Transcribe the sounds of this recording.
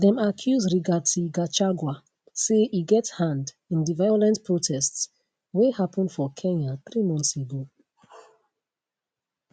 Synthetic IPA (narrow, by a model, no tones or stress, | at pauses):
ðɛ̃makʰjuzɹiɡad̚tuɡat͡ʃaɡwa | seʔiɡɛthãnd | ĩndivajɔlɛ̃ntpʰɹotʰɛsts | wehapɔ̃ndfɔkʰɛ̃naθɹimɔ̃nθseɡo